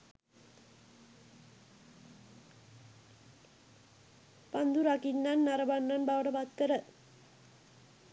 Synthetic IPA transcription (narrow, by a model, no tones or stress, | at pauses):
pand̪uɾakinːanːaɾɐbanːanbawʈɐpat̪ːəɾə